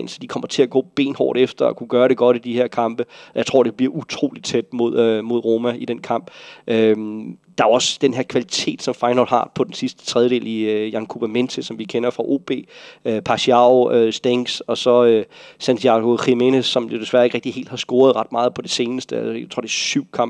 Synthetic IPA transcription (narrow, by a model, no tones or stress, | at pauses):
nsɒd̥ikʰɒ̽m̰ɐt͡sʰe̝æɡ̥ɔ̰ːb̥e̝̰ːnhɒ̰ːɾ̥efd̥ɐɒ̽kʰuɡ̥ɶːɐɾe̝ɡ̥ɒ̽d̥id̥iheɐ̰kʰɑ̈m̰b̥əɒjaɪt͡sʰʁo̝ɐ̰de̝b̥liɐʔut͡sʰʁo̰ːlid̥̚t͡sʰed̥̚mo̝ð̞̰ˠømo̝ð̞̰ˠʁo̝ːmæid̥enkʰɑ̈m̰b̥ʔø | d̥ɑ̈æɒ̽sd̥enɦeɐ̰kʰʋælit͡sʰe̝̰ːd̥sɒ̽mfɑ̈ɪnɒd̥hɑ̈pʰɒ̽d̥ensisd̥ə̥t͡sʰʁɛðˠəde̝̰ːliøjɑnkʰub̥æment͡sʰesɒ̽mʋikʰenɐfʁɑ̈ʔo̝̰ːb̥e̝̰ːøpʰɑ̈ɕiɑʊøsd̥eŋsɒ̽sɒ̽øsænt͡sʰiɑ̈ɡ̥o̝ʁimenəɒ̽mjo̝d̥e̝sʋæɐeɡ̥ʁɛɡ̥̚d̥iḛːld̥hɑ̈sɡ̥o̝ːɐðˠʁɑ̈d̥mɑ̈ːðˠpʰɒ̽d̥e̝se̝ːnəsd̥ət͡sʰʁo̰d̥ɐsyʊ̰kʰɑ̈m̰b